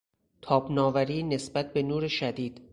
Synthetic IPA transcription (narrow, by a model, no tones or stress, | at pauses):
t̪ʰɒːbnɒːvæɾiːne̞sbæt̪̚be̞nuːɾeʃæd̪iːd̪̥